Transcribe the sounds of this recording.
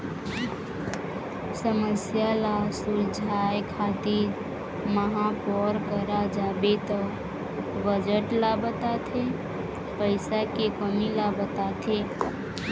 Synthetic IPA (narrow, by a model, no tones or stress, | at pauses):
səməsjalasuld͡ʒʱajkʰat̪iɾ | məɦãpɔɾkəɾad͡ʒabet̪ɔ | bəd͡ʒəʈlabət̪at̪ʰe | pəɪsakekəmilabət̪at̪ʰe